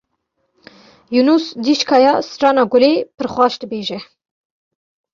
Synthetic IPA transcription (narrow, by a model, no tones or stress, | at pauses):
junusd̪iʃkʰɑːjɑsʈ͡ʂɑːnɑɡʊlepɨɾxʷwʷɑːʃd̪ɨbeːʒɛ